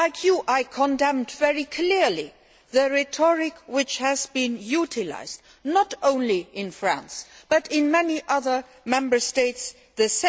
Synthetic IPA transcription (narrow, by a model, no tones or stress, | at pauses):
aɪkʰjuʔaɪkʰə̃ndɛ̃mdvɛɹikʰl̥ɪɹli | ðəɹɛtʰɔɹɪkwɪt͡ʃhɨzbĩnjutʰɪla̰ɪzd | nətõʊ̃nliʔɪ̃nfɹæ̰̃nsb̥ʌɾɪ̃nmɛniʔʌðə˞ | mɛ̃mbə˞steɪts | ðəs